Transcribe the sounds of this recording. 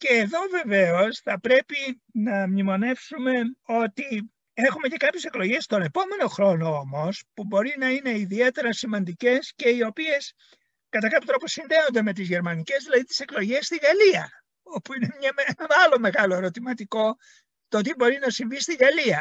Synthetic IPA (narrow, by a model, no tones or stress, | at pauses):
ce̞ːðo̞ve̞ve̞o̞sθɐpɾe̞pi | nɐmnimo̞ne̞fsume̞o̞t̪i | exume̞ce̞kɐpçe̞seklo̞ʝe̞st̪o̞ne̞po̞me̞no̞xɾo̞no̞omo̞spubo̞ɾinɐine̞iðie̞t̪e̞ɾɐsimɐnd̪ice̞sce̞io̞pie̞s | kɐt̪ɐkɐpjot̪ɾo̞posinðe̞o̞nd̪e̞me̞t̪̬izʝe̞ɾmɐnice̞zðilɐðit̪i̥se̞klo̞ʝe̞st̪iɣɐliɐ | o̞puinemɲɐmnɐɐlo̞me̞ɣɐlo̞eɾo̞t̪imɐt̪iko̞ | t̪ot̪ibo̞ɾinɐsiɱvist̪iɣɐliɐ